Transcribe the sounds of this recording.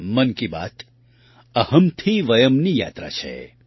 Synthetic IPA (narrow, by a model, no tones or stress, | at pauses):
mɐnkiba̰ːt̪ | ɐhəmt̪ʰiʋɐjəmnija̰ːt̪ɾa̰t͡ʃʰḛ